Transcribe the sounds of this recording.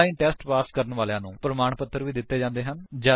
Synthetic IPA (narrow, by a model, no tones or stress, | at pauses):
iːnʈɛːsʈpaːskəɾənʋaːlejãːnũːpɾəmaːɳpət̪ːəɾʋiːd̪ɪt̪ːeːd͡ʒãːnd̪eːɦənd͡ʒaː